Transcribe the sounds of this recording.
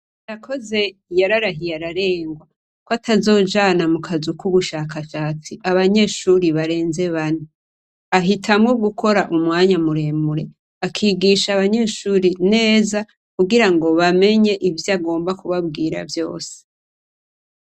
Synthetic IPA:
jakʰo̞ze̞jaɾaɾaɦijaɾaɾe̞ːŋɡwa | kwatazo̞ːd͡ʒaːnamukʰazukuβuʃaːkaʃaːt͡siʔaβaɲe̞ːʃuɾiβaɾe̞ːnze̞βani | aɦitʰamŋoɡukʰo̞ɾaʔumŋaːɲamuɾe̞ːmuɾe̞ | akʰiːɡiʃaβaɲe̞ʃuɾine̞ːza | kuɡiɾaŋɡo̞βame̞ɲe̞ʔivjaɡo̞ːmbakuβabɡiːɾa̰vjo̞̰ːse̥

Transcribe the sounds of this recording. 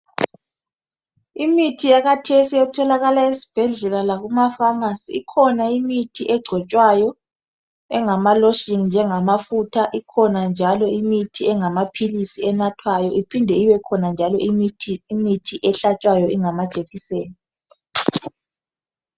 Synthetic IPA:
imitʰijaɣatʰesijɛtʰɔlaɣalaisi̥b̥ʱɛɮɛlalaɣumafaŋasiikʰɔnaimitʰiʔɛɡ͡ǀʱɔt͡ʃʼwajɔ | ɛŋamalɔʃiŋnd͡ʒʱɛŋamafutʰaʔikʰɔnand͡ʒʱalɔimitʰiɛŋamapʰilisiɛnatʰwajɔʔipʰindʱɛiβɛkʰɔnand͡ʒʱalɔiːmitʰiʔɛɬat͡ʃʼwajɔʔiŋamḁt͡ʃʼeɣiseːni

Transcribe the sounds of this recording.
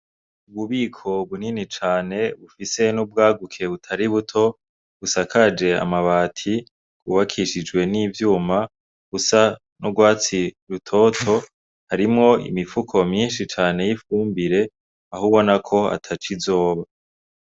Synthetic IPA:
uβuβiːkʰo̞βuninit͡ʃaːne̞βufise̞nub̚ɡaːɡukʰe̞βutʰaɾiβutʰo̞ | βusakad͡ʒe̞a̰maβaːtʰi | kuːβakʰiʃid͡ʒwe̞niːvjuːma | ɡ̥usa | noɡwaːt͡siɾutʰo̞tʰo̞ | haɾimŋo̞ḭmifukʰo̞mɲiːnʃit͡ʃaːne̞jifuːmbiɾe̞ | aɦuβo̞nakʰo̞a̰tʰat͡ʃizo̞ːβa

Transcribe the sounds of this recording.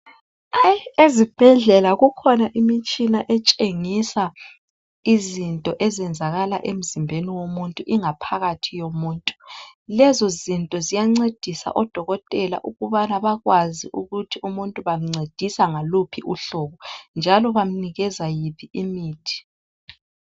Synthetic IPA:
ajezib̥ʱɛɮɛlaɣukʰɔnaʔimit͡ʃʼinaʔɛt͡ʃʼeŋisa | izintʼɔʔɛzɛnd͡zʱaɣalaʔem̩zimbʱeniwomuntʼuʔiŋapʰaɣatʰijomuːntʼu̥lɛzɔzintʼɔzijaŋ͡ǀed̥ʱisa̰ʔɔd̥ʱɔɣɔtʼɛla̰ʔuɣuβanaβaɣwaziʔuɣutʰiumuntʼuβam̩ŋ͡ǀed̥ʱisaŋalupʰiʔuɬɔɣɔnd͡ʒʱalɔβam̩niɣɛzajipʰiimiːtʰi̥

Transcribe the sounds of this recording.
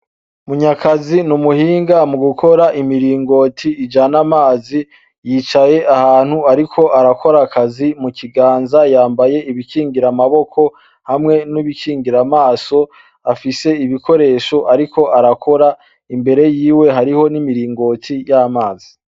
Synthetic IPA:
muɲakʰazinumuhiːŋɡamuɡukʰo̞ɾaʔimiɾiːŋɡo̞tʰiːd͡ʒanamaːzi | jiːt͡ʃaje̞ʔahaːn̥huaɾikʰo̞ʔaɾakʰo̞ɾakazimukʰiɡaːnzajaːmbaje̞iβikiːŋɡiɾamaβo̞kʰo̞ | hamŋe̞niβikʰiːŋɡiɾamaːso̞ | afise̞iβikʰo̞ɾe̞ːʃo̞ʔaɾikʰo̞ʔaɾakʰo̞ɾa | imbe̞ɾe̞jiːwe̞ɦaɾiho̞nimiɾiːŋɡo̞tʰijamaːz̥i

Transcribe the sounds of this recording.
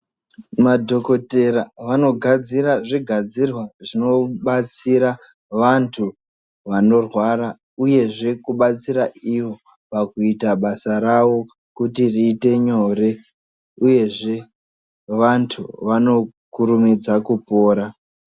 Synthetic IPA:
madʱo̞ko̞te̞raʋano̞ɡʱad͡ziraʐiɡʱad͡zirwaʐino̞ɓat͡siɾa | ʋantʰu | ʋano̞rwaɾa | uje̞ʐe̞kuɓat͡siɾaiʋo̞ | pakuitaɓasaɾaʋo̞ | kutiriːte̞ɲo̞re̞ | uje̞ʐe̞ | ʋantʰuʋano̞ | kuɾumid͡zakupoːɾa

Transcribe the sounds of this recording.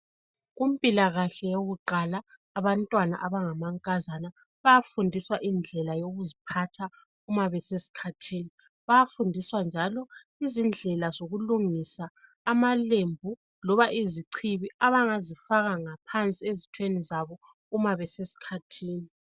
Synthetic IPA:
ɣum̩pʼilaɣaɬɛjoɣuǃalaː | βantʼwana̰ʔaβaŋamaŋkʼazana | βajafundʱiswaʔind͡ɮʱɛlajoɣuzipʰatʰa | umaβɛsesi̥kʰatʰiːni | βajafundʱiswand͡ʒʱalɔ | izind͡ɮʱɛlazoɣuluŋisaː | malembʱu | lɔβaʔiziǀʰiβiʔaβaŋazifaɣaŋapʰant͡sʼiezitʰwenizaβɔ | umaβɛsesi̥kʰatʰiːni

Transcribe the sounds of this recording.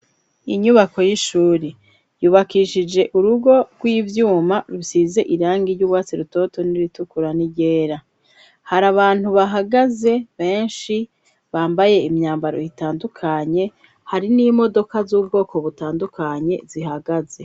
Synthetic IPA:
iɲuβako̞jiʃuːɾe | juːβakiʃid͡ʒe̞ʔuɾuɡo̞ɡ̥wiːvjuːmaɾusize̞ʔiɾaːŋɡiɾjuːβwaːt͡siɾuto̞to̞niɾitukuɾaniɟe̞ːɾa | haɾaβaːn̥huβaɦaɡaze̞βe̞ːnʃi | βaːmbaje̞imɲaːmbaɾo̞̰jitaːndukʰaɲe̞ | haɾinimo̞do̞kazuːb̚ɡo̞ːko̞βutaːndukaɲe̞ziɦaɡaze̞

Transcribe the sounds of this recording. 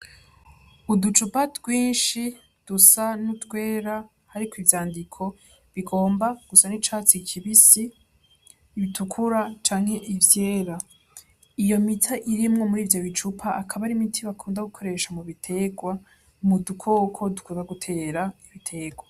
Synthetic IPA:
udut͡ʃupatɡwiːnʃi | d̥usanutɡwe̞ːɾa | haɾikwivjaːndikʰo̞ | βiɡo̞ːmbaɡ̥usanit͡ʃaːt͡sikʰiβisiː | βitʰukʰuɾat͡ʃaːŋhe̞ʔivje̞ːɾa | ijo̞mitʰaʔiɾimŋo̞muɾiːvjo̞βit͡ʃupʰaʔːkʰaβaɾimitʰiβakʰuːndaɡukʰo̞ɾe̞ʃamuβitʰe̞ɡwa | mudukʰokʰo̞dukunaɡutʰe̞ːɾaiβitʰe̞ːɡwa

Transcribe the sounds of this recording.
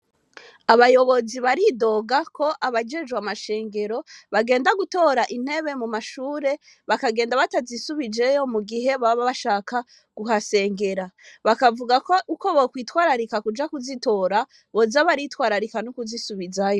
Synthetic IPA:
aβajo̞βo̞ziβaɾido̞ɡakʰo̞ʔaβad͡ʒe̞d͡ʒɡwamaʃe̞ːŋɡe̞ɾo̞βaɡe̞ːndaɡuto̞ɾaʔin̥he̞βe̞mumaʃuːɾe̞ | βakaɡe̞ːndaβatazisuβid͡ʒe̞jo̞muɡiɦe̞βaβaʃaːka | ɡ̥uɦase̞ːŋɡe̞ɾaβakavuɡakouko̞βokwiːtwaːɾaɾikakud͡ʒakuzito̞ɾa | βo̞zaβaɾitwaːɾaɾikanokuzisuβizajo

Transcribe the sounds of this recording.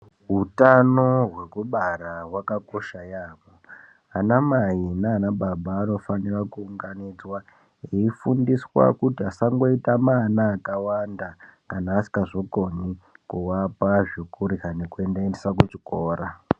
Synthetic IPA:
ɦutano̞ɦwe̞kuɓaɾawakako̞ʃajaːmo | anamajinaːnaɓaɓaːno̞fanirakuːŋɡanid͡zwa | eifundiswa̰kutiasaŋɡo̞itamanaːkawandakanaːsi̥kaʐokonikuwapaʐikuɾikane̞kue̞ndaendesakwet͡ʃikoːɾa

